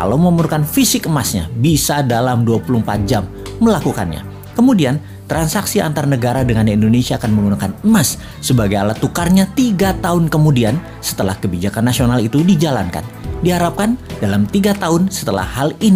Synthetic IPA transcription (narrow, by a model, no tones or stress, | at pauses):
ka̰lawməmuɾukanfisɪkəmasɲa̰bisadalamduapulumpa̰t̪̚d͡ʒamː | əlakuka̰nɲa̰ | kəmudian | t̪ɾansaksia̰nt̪aɾanəɡaɾadəŋanindonesiaːkanməŋɡunakanəmasː | əbaɡajalat̪ukarɲat̪iɡat̪aʊnkəmudian | sə̥t̪əla̰hkəbid͡ʒakanːasionalit̪udid͡ʒala̰nka̰ndiɦaɾap̚kandalamt̪iɡat̪aʊnsə̥t̪əla̰hhalini